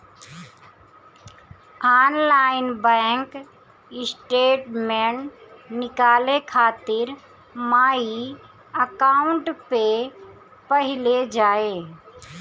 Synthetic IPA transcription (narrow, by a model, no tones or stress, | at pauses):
aːnlaːɪnbɛ̃ːŋk | ɪsʈeːʈmeɳnɪkaːlekʰaːt̪ɪɾ | maːi | əkaːʊɳʈpe | pəɦɪled͡ʒaːeː